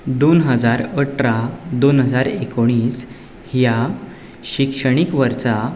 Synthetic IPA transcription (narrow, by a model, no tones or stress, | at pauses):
d̪onɦəd͡zaɾəʈɾad̪onɦəd͡zaɾekoɽ̃iːs | hja | ɕikʂəɽ̃ikʋəɾt͡sa